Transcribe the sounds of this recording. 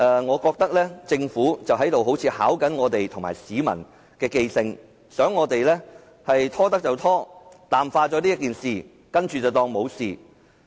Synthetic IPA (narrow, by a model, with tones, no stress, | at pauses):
ʔɛː˨˧ŋɔː˨˧kɔː˧k̚t̪ɐ˥k̚lɛː˥t͡sɪ˧ŋfuː˨˥t͡sɐ˨wɦɐ˨˥jt̪o˨wɦo˨˥wt͡sʰiː˧haː˨˥wkɐ˨˥nŋɔː˨˧t̪e˨jt̪ʰʊ˨˩ŋma̰ː˨˩jsiː˨˧mɐ̰˨˩n | kɛː˧ke˧jsɪ˧ŋ | sœː˨˥ŋːɔː˨˧t̪e˨jlɛː˥ | hɐ˨jt̪ʰɔː˥t̪ɐ˥k̚t͡sɐ˨˩wt̪ʰɔː˥t̪aː˨mfaː˧t͡ʃɔː˧˥liː˥k̬iː˨nsiː˨ | kɐ˥nt͡ʃyː˨t͡sɐ˨wt̪ɔː˧ŋmo˨˧wsiː˨